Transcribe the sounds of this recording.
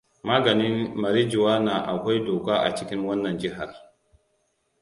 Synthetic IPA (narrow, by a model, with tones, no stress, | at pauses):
maː˦ɡɐ˨nɪ˦nmɐ˨ɾi˦d͡ʒu˨waː˦naː˨ʔa˨kʷa˦jdoː˨kaː˦ʔa̰˨t͡ʃɪ˦kʲɪ˦ŋwɐ˦nːɐ˨nd͡ʒɪ˦ɦa˨r